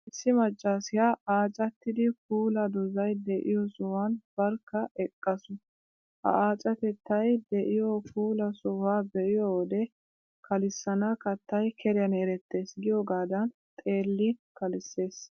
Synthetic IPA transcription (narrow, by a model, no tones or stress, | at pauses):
ʔɪsːɪmɐt͡ʃʼːaːsɪjaaːt͡ʃʼɐt̪ːɪd̪ɪkuːlɐd̪ɔzɐjd̪ɛʔɪjɔsɔwɐnb̥ɐɾkːɐʔɛkʼːɐsʊ | hɐ̰ʔaːt͡ʃʼɐt̪ɛt̪ːɐjd̪ɛʔɪjɔkuːlɐsɔwaːbɛʔɪjɔwɔd̪ɛ | kʰɐlɪsːɐnɐkɐt̪ːɐjkʰɛɾɪjɐneːɾɛt̪ːe̞ːsɡɪjɔɡaːd̪ɐnt̪ʼe̞ːlːɪkɐlɪsːe̞ːs